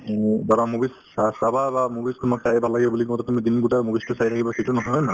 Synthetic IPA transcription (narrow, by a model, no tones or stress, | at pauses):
baɾamubis | asababamubistumaksajbʱalaɡibɛbulikɔɔtɛtumid̪inɡutamubistʊsajt̪ʰakʰibaxetunɔɦɔjna